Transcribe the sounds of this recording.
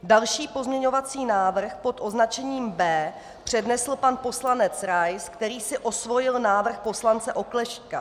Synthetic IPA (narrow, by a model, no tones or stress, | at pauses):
dalʃiːpo̞zmɲɛɲo̞vat͡siːnaːvr̩xpo̞t̪ʔo̞znat͡ʃɛɲiːmbɛː | pr̝̥ɛdnɛsl̩panpo̞slanɛt͡sɾajskt̪ɛɾiːsɪʔo̞svo̞jɪlnaːvr̩xpo̞slant͡sɛʔo̞klɛʃka̰